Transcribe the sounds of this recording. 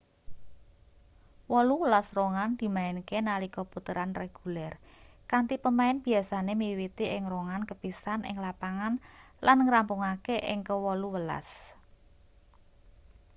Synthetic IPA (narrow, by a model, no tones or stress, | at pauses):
wɔluwəlasroŋand̪̥i̤maɪnkenalikɔput̪əɾanreɡ̥ulɛr | kant̪ipəmaɪnb̥i̤asanemiwit̪iʔɪŋroŋankəb̥isanʔɪ̰ŋlapaŋan | lanŋɾampuŋakeʔɪ̰ŋkəwɔluwəla̰s